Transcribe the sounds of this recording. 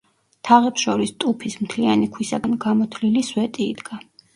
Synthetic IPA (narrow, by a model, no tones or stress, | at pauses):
t̪ʰaʁɛpsʃɔɾist̪ʼupʰismt̪ʰlianikʰwisaɡanɡamɔt̪ʰliliswɛt̪ʼiːd̪ɡa